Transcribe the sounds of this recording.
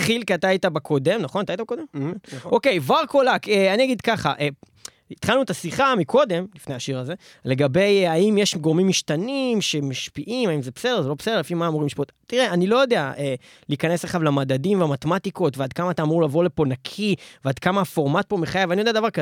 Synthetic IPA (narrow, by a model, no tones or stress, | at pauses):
tχilkiat̪aait̪abakʰod̪e̞mnaχonatajtabekod̪emokejvaʁkolakeaniaɡid̪kaχa̰ʔe | it̪χalnuet̪asiχamikʰo̞d̪e̞mlifneaʃiʁaze̞ | le̞ɡabe̞jaimjeʃɡoʁmimːiʃt̪animʃemaʃpiʔimaimzebsedezelopsed̪elefimaːmuʁimliʃpiot̪t̪ːiʁeanilo̞jo̞d̪e̞aʔe | liːkanesleχavlamad̪adimveamat̪emat̪iko̞tvead̪kamat̪aːmuʁlaːvo̞ʁle̞po̞nakʰivead̪kamaafo̞ʁmat̪̚po̞meχajavaniodead̪avaʁkae